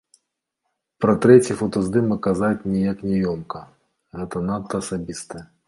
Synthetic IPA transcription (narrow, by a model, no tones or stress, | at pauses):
pɾɐt̪ɾɛt͡sʲifɐt̪ɐzd̪ɨmɐkːazat͡sʲnʲijaknʲɛjɔmkɐ | ɣɛt̪ɐnat̪ːɐːsabʲist̪ɐjɐ